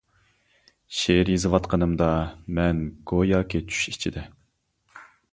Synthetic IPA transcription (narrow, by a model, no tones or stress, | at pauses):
ʃeɾjizɨwɑt̪qʰənɨmd̪ɑmɛnɡojɑːkʲet͡ʃʰy̥ʃi̥t͡ʃʰid̪ɛ